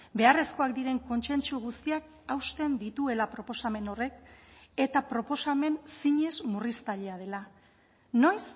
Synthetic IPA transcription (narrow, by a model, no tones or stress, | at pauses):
be̞are̞sko̞akd̪iɾe̞ŋko̞nse̞nt͡ʃuɣ̞ust̪iak̚ | awst̪e̞nd̪it̪ue̞lapɾo̞po̞same̞no̞re̞ke̞t̪apɾo̞po̞same̞nsiɲe̞zmurist̪aʎe̞að̞e̞la | no̞js